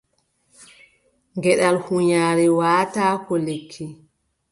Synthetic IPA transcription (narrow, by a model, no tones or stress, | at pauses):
ŋɡɛɗalhuɲaːɾɛwaːtaːkɔlekʰːi